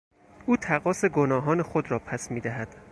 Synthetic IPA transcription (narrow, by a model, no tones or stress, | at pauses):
ʔuːt̪ʰæɣɒːse̞ɡonɒːɦɒːnexod̪ɾɒːpʰæsmiːd̪æɦæd̪̥